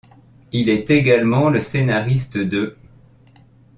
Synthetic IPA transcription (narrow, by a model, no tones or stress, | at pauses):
ilɛt̪eɡalmɑ̃ləsenaʁist̪əd̪ə